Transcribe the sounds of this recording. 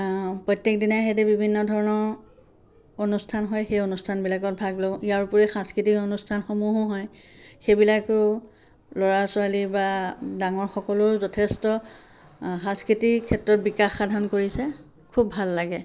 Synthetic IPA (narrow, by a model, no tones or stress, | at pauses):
pɹɔjtːek̚dinaxɛdɛbibʱinːɔdʱɔɹɔnɔɹ | onustʰanɦɔjxejonustʰanbilakɔt̚bʱaɡloijaɹpuɹɛxãskɹitikonustʰanxomuɦɔɦɔjxejbilakʊ | lɔɹasʊalibadaŋɔɹxɔkɔlʊɹzɔtʰestɔ | xãskɹitikʰːɛtɹɔt̚bikaxːadʱankoɹisɛ | kʰubʱalːaɡɛ